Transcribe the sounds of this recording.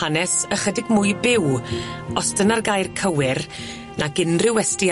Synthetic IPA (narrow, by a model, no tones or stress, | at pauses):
anɛsəχədɪɡmʊjbɪwɔsd̥ənarɡajrkʰəwɪr | naɡɪnrɪwɛsti